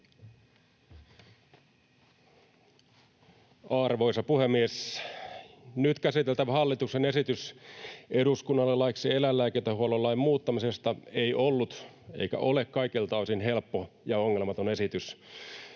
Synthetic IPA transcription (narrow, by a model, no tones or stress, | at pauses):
ɑrʋo̞isɑpuhemːies | nyt̪kæsit̪elt̪æʋhɑlːit̪uksene̞sit̪ys | eduskunːɑlːelɑiksielælːæːket̪ːæhuololːɑjmmuːt̪ːɑmisest̪ɑeiʔolːut̪ | ḛijkæ̰ʔo̞lekkɑikilt̪ɑsinɦelpːojɑoŋːe̞lmɑt̪o̞ne̞sit̪ys